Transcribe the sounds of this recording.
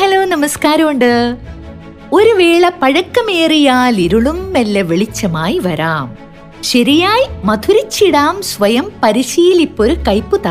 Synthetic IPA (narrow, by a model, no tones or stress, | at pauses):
hɐloːnɐmɐskaːɾɐmuɳɖɨ | o̞ɾuʋeːɭɐpɐɻɐkːɐmeːrijaːliɾuɭumːelːɐʋeɭit͡ɕːɐmaːjiʋɐɾaːm | ɕɐɾijaːjimɐd̪ʰʱuɾit͡ɕːiɽaːmsʋɐjɐmpɐɾiɕiːilipːo̞ɾukɐjpːɨt̪ɐ